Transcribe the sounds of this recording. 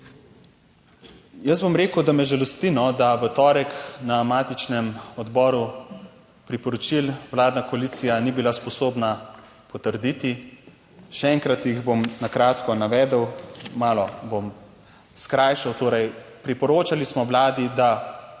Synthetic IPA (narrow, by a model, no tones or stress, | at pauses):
jəzbomɾeːkəwd̪amɛʒɛlɔst̪inɔd̪aʋət̪ɔːɾɛknamaːt̪it͡ʃnɛmɔd̪bɔːɾu | pɾipɔɾɔt͡ʃilʋlaːd̪nakɔalit̪sijanibilaspɔsoːbna | pɔt̪əɾd̪iːt̪i | ʃɛɛŋkɾat̪jiɣbomnakɾaːt̪kɔnaʋɛːd̪əwmaːlɔbom | skɾaːjʃawt̪oːɾɛjpɾipɔɾoːt͡ʃalismɔʋlaːd̪id̪a